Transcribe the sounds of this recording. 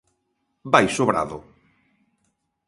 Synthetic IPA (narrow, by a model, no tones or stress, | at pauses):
bajsoβɾa̰ðʊ̰